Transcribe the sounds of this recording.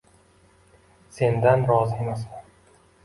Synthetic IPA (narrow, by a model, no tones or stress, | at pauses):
se̞nd̪anɾɒzɪemasman